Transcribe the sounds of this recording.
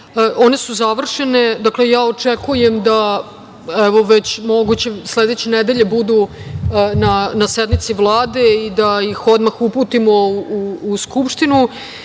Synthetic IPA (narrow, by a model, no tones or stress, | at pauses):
ʔo̞ne̞suzaʋr̩ʂene̞d̪aklejaːot͡ʂekuje̞md̪a | ɛʋo̞ʋet͡ɕmoɡut͡ɕesled̪et͡ɕened̪eʎe̞bud̪u | nanased̪mit̪siʋlˠaːd̪eid̪ajixo̞d̪maxuput̪imo̞uːskupʂt̪inu